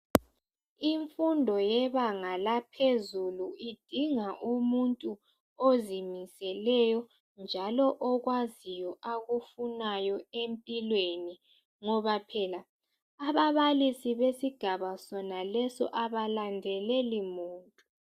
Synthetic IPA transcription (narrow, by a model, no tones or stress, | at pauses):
iɱfundʱɔjɛβaŋalapʰezuluid̥ʱiŋaʔumuntʼu | ozimisɛlɛjɔ | nd͡ʒʱalɔʔɔɣwazijɔʔaɣufunajɔempʼilweni | ŋɔβapʰɛla | aβaβalisiβesiɡ̥ʱaβasɔnalɛsɔ̰ʔaβalandʱɛlɛlimuːntʼu